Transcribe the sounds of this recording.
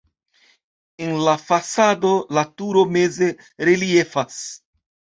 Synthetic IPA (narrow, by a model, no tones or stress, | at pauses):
enlafasado̞latuɾo̞me̞ze̞ | ɾelie̞fas